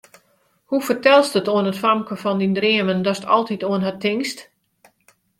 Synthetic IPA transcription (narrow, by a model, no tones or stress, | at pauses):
hufərtɛlˠstətoənətfamkəfɔndindriəməndɔstʰɔ̰lˠtitoənɦatɪŋst